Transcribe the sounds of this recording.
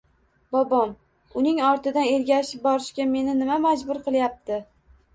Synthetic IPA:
bɒbɒm | ʊnɪŋɒɾt̪ɪd̪ane̞ɾɡʲaʃɪp̚bɒɾɪʃkʲame̞nɪnɪmamad͡ʒbʊɾqʰɨlˠjap̚t̪ʰɪ

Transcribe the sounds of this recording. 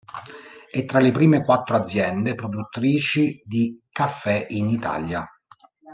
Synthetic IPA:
ɛt̪ːɾalepɾiːmekwat̪ːɾoad̪zːjɛnd̪epɾod̪ut̪ːɾiːt͡ʃid̪ikafːɛinit̪a̰lja

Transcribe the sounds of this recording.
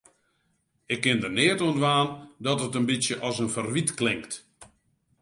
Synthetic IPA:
ɪkːɪndərnɪətoəndʋaːndɔtətənbisjəʔɔsənfərʋitklɪŋkt

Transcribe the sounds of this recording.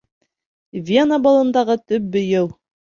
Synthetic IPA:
vʲenəbɑlˠɤ̆nd̪ɑʁɤt̪ɵp̚bɵ̆jɘlˠ

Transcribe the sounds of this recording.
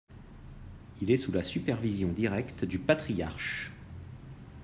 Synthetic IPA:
ilɛsulasypɛʁvizjɔ̃d̪iʁɛkt̪d̪ypat̪χija̰ʁʃ

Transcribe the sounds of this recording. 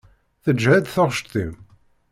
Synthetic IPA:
θəd͡ʒːhæd̪θɑʁʃt̪θim

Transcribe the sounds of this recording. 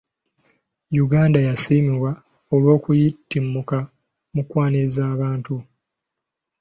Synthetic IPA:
juɡaːndajasiːmiβwa | olwo̞ːkujitːimːuka | mukwaːnezaːβaːntu

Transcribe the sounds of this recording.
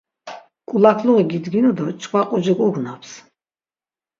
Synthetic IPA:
kʼulakʰluʁiɡid̪ɡinud̪ɔt͡ʃʼkʼvaqʼud͡ʒikʼuɡnapʰs

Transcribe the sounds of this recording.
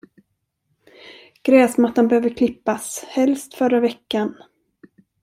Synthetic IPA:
ɡ̥ɾɛːsmat̪ːanbɛhøːvəkʰlɪpːashɛlst̪fœɾavɛkːan

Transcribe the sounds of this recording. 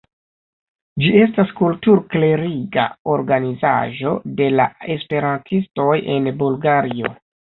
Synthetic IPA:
d͡ʒie̞staskultuɾkle̞ɾiɡa̰o̞ɾɡaniza̰ʒo̞de̞lae̞spe̞ɾantʰisto̞je̞nbulɡaɾio̞

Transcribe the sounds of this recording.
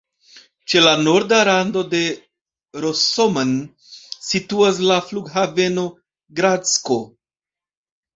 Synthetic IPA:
t͡ʃe̞lano̞ɾdaɾando̞de̞ | ɾosoman | situas̬lafluɡɦave̞no̞ | ɡɾat͡sko̞

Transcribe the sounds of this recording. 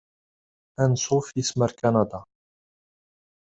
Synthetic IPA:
ʔænsufisməɾkanɑd̪ɑ

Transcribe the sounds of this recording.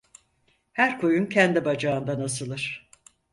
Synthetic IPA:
hæɾkʰojuncʰɛnd̪ibad͡ʒaːɯnd̪anasɯlˠɯɾ̥

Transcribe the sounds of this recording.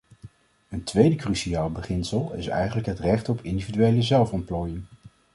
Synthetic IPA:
əntʋejdəkryʃiaːlˠbəχɪnsəlˠɪ̰sɛ̰jχənləkɦətrɛχtɔpʰɪndividyejləzɛlˠfɔmplɔːjəŋ

